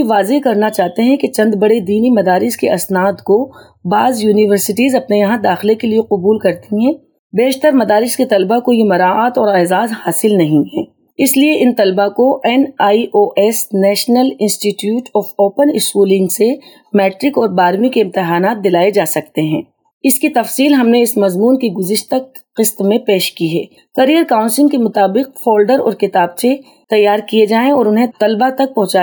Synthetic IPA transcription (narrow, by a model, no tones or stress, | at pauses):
iʋaːzekɐɾnat͡ʃaːɦt̪eɦɛ̃ket͡ʃɐ̃nd̪bɐɽed̪iːnimɐd̪aːɾɪskeʔɐsnaːd̪ko | baːzjuːnɪʋəɾsɪʈiːzɐpnejɐɦãd̪aːxɪlekelieqʊbuːlkɐɾt̪iɦɛ̃ː | beːʃt̪əɾmɐd̪aːɾɪsket̪ɐlbakojemɐɾaːaːt̪ɔːɾɛːzaːzhaːsɪlnɐɦĩɦɛ̰̃ː | ɪslieʔɪnt̪ɐlbakoʔɛnaːiʔoːʔɛːsnɛːʃnəlɪ̃nsʈiʈjuːʈʰɔːfoːpənɪskuːlɪ̃ŋɡse | mɛːʈɾɪkɔːɾbaːɾmikeɪ̃mt̪ɪɦaːnaːt̪̚d̪ɪlaːed͡ʒaːsɐk̚t̪eɦɛ̃ː | ɪskit̪ɐfsiːlɦɐmneɪsmɐzmuːnkiɡʊzɪʃt̪ək | qɪst̪mẽpeːʃkiɦɛ̰ː | kɐɾijəɾkaːʊ̃nsɪ̃ŋkemʊt̪aːbɪq̚fɔːlɖəɾɔ̰ːɾkɪt̪aːb̚se | t̪ɐjːaːɾkied͡ʒaːẽɔːɾʊnɦẽt̪ɐlbat̪ɐk̚pɐ̃ɦʊ̃t͡ʃaː